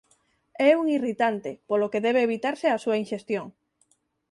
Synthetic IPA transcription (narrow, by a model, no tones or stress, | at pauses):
ɛuŋirit̪ant̪ɪpolokeðɛβ̞eːβit̪aɾseasuɐĩnʃest̪joŋ